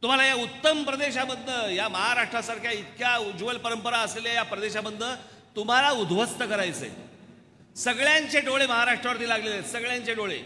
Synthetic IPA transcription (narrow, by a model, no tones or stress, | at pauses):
t̪um̤alajaut̪ːəmpɾəd̪eɕaməd̪nːəjaməɦaɾaʂʈɾasaɾkʰjait̪̚kjad͡ʑuʋəlpəɾəmpəɾaəsleljajapɾəd̪eɕaməd̪nə | t̪um̤alaud̪ʱʋəst̪əkəɾajt͡sḛ | səɡɭjaɲt͡ɕeɖoɭeməɦaɾaʂʈɾaʋəɾt̪iːlaɡlelesəɡɭjãɲt͡ɕeʈoɭḛ